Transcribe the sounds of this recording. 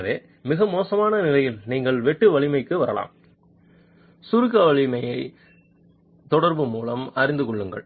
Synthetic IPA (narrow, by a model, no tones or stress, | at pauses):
ʋeː | mɪɣɐmoːsɐmaːnɐnɪlɐjɪlniːŋɡɐɭʋɛʈːɯʋɐɭɪmɐɪkːɯʋɐɾɐla̰ːm | sʊɾɯkːɐʋɐɭɪmɐjɐɪ | t̪ɔɽɐɾbɯmuːlɐmɐɾɪnd̪ɯkɔɭːɯŋɡɐ̰ɭ